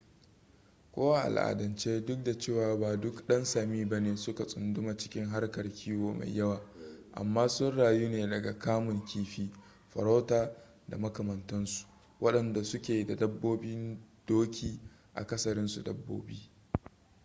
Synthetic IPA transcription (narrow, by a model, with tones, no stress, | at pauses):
kʷoː˦wa˦ʔa̰˨lʔa̰ː˨dɐ˨nt͡ʃeː˦dʊ˦k̚da˨t͡ʃeː˦˨waː˨baː˨dʊ˦kɗɐ˦nsaː˨miː˦bɐ˦neː˨sʊ˦ka˨sʼʊ˨ndʊ˦ma˨t͡ʃɪ̥˦kʲɪ˦ŋɦa˦rkɐ˨rkʲʰiː˦woː˨ma̰˨jjːɐ˦waː˨ʔa̰˨mːaː˦sʊ˦nɽaː˨juː˦neː˨dɐ˨ɡa˨kaː˦mʊ˨ŋkʲiː˦ɸiː˦ | ɸɐ˨ɾa˦taː˨ | da̰˨mɐ˦kɐ˨mɐ˨ntɐ˦nsu̥˨ | wʔɐ˦ɗɐ˨nda˨sʊ˦kʲeː˨da˨dɐ˦bːoː˦bi˦nd̥oː˦kʲiː˦ | ʔa̰˨kɐ˦sɐ˨ɾɪ˦nsu˨dɐ˦bːo̰ː˦biː˦